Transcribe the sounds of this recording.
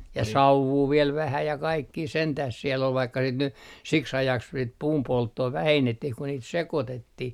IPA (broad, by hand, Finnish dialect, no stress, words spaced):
jɑ sɑuʋːuː ʋiel ʋæhæ jɑ kɑikːiː sentæh sielː ol ʋɑikːɑ sit ny siks ɑjɑks sit puːmpoltːoː ʋæhenːetːih ku niːt sekotetːih